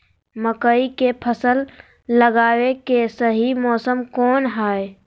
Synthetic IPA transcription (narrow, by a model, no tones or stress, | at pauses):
məkəikepʰəsəlː | əɡaːwekesəɦimɔːsəmkɔːnɦaːe